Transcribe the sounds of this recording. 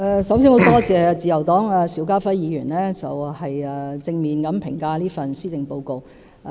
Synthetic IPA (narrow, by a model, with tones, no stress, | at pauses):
ʔɛː˧sɐ˨˧˥wsiː˧˥ŋho˨˥wt̪ɔː˥t͡sɛː˨˧t͡siː˨jɐ˨˩wt̪ɔː˨˥ŋaː˧siː˨˥wkaː˥fɐ˥jiː˨˧jyː˨˩nlɛː˥t͡sɐ˨whɐ˨jɛː˧t͡sɪ˧ŋmiː˨nkɐ˨˥mpʰɪ̰˨˩ŋkaː˧liː˥fɐ˨nsyː˥t͡sɪ˨ŋpo˧wko˧w